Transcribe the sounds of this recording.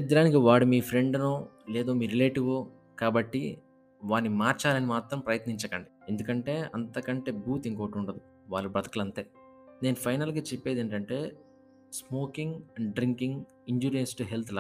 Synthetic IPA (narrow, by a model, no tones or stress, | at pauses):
d̪ɾaːnik̬iʋaːɽumiːpʰɾe̞ɳɖnoː | leːd̪o̞ːmiːɾile̞ːʈiʋo | kaːbɐʈːi | ʋaːnːimaːɾt͡ʃaːlɐnimaːt̪ɾɐmpɾɐjɐt̪niɲt͡ʃɐkɐɳɖie̞nd̪ukɐɳʈe̞ːɐnt̪ɐkɐɳʈe̞ːbuːt̪iŋkoːʈuɳʈɐd̪i | ʋaːɭːubɐt̪ɐ̥kulɐnt̪e̞ː | ne̞ːnupʰɐjnɐlɡaːt͡ʃepːe̞ːd̪eːɳʈɐɳʈe̞ː | smo̞ːkiŋɡɐɳɖɖɾiŋkiŋɡ | iɲd͡ʒuːɾensʈuɦelt̪ʰla